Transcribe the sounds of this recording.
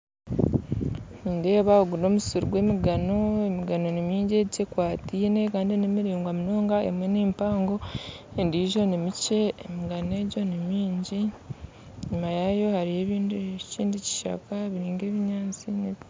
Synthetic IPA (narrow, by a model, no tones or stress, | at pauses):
niːnde̞ːβaoɡuno̞ːmusuɾuɡwe̞ːmiɡano̞emiɡano̞nimiːɲɟe̞icekwaːtiːne̞kaːndinemiɾiːŋɡwamino̞ːŋɡae̞̰mwe̞neːmpaːŋɡo̞endiːʒo̞nimice̞ːmiɡane̞ɟo̞nimiːɲɟi | ɲumajajo̞haɾije̞ːβiːndiciːndici̥ʃa̰kaβiɾiːŋɡe̞ːβiɲaːnt͡sineβ